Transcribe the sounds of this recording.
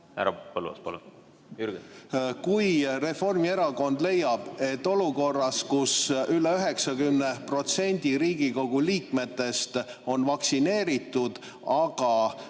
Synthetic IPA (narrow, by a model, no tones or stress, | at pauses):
æ̰ɾɑ̰pɑlṵɑ̰spɑ̰lun | jyɾɡekujre̞fo̞rmie̞ɾɑko̞nd̪le̞jːɑb̥e̞t̪ːo̞luko̞rːɑskusyleyɦe̞ksɑɡymne̞pro̞t̪se̞nʲd̪̥ʲiɾiːɡ̥iko̞ɡ̥uliːkme̞t̪ːe̞st̪o̞nvɑksine̞ːɾit̪ˑːud̪̥ | ɑɡ̥ɑ